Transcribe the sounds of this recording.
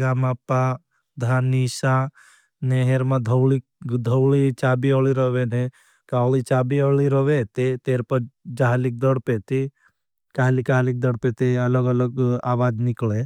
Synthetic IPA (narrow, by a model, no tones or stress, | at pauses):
ɡaːmapːa | d̪ʱanisa | neɦeɾmãd̪ʱəwɭi | d̪ʱəwɭit͡ʃaːbiəɭiɾəʋene | kalit͡ʃaːbiəɭiɾəʋet̪et̪eːɾpəd͡ʒaɦlik̚d̪əɽpet̪e | kaːlikaːlik̚d̪əɽpet̪eɐləɡɐləɡaːʋaːd͡ʒnikɭe